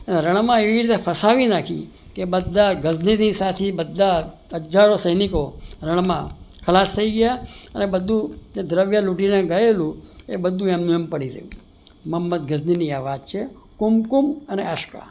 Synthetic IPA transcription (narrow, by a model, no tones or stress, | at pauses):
əneɾəɽ̃mãeʋiɾit̪epʰəsaʋinakʰḭ̃ | kebəd̪ʱːaɡəzninisat̪ʰibəd̪ʱːa | əd͡ʒaɾosəjnikoɾəɽ̃mãkʰəlast̪ʰəiɡəjaənebəd̪ʱũd͡ʒed̪ɾəʋjaluʈinẽɡəelũebəd̪ʱũemnijəmpəɽiɾə̰ɦjṵ̃ | məmːət̪̚ɡəzniniaʋad͡ʒt͡ʃʰekumkuməneəʃka̰